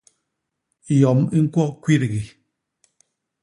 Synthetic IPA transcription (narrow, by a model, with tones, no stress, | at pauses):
jɔ˨mi˦ŋ̩˦kwɔ˦kwi˦ɾɣi˨